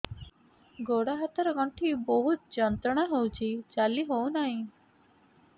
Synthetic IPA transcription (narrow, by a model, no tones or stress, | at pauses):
ɡoɽaɦət̪əɾɔɡɔɳʈʰibɔɦut̪̚d͡ʒɔnt̪ɔɽ̃aɦowt͡ʃʰit͡ʃaliɦonaɦĩ